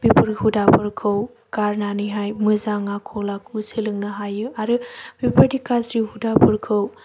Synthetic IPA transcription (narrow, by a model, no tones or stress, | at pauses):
b̥ipʰuɾhudapʰɯɾkʰɯw | kaɾnaniɦajmɯzaŋakʰɔlakʰusɯlɯŋnɯɦajɯaɾɯb̥ipaɾdikasihudapʰɯɾkʰɯw